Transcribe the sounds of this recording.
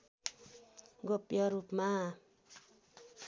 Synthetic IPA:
ɡopjʌɾupma

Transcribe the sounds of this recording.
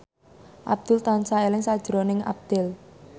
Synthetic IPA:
ʔab̚d̪̥ʊlt̪ɔnsaelɪŋsad̥ʒ̥əɾonɪŋa̰b̚d̪̥ɛl

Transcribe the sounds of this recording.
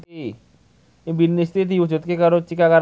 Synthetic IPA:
i | imbinist̪id̪iwud͡ʒṳt̪̚kekaɾot͡ʃikakaɾ

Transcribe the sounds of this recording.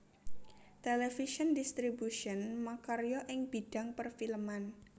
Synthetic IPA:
t̪elɛfiʃɔndist̪ɾibuʃɔnmakaɾjɔʔɪŋb̥i̤d̥a̤ŋpərfilman

